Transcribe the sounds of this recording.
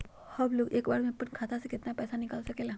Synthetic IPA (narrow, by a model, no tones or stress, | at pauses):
həbloːɡeːkbaːɾmẽpənkʰaːt̪ʰasekɪt̪napɛːsanɪkaːlsɐkeːla